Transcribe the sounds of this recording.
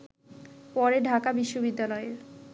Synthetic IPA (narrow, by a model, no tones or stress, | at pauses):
pɔɾeɖʱakabiʃːobid̪ːalɔeɾ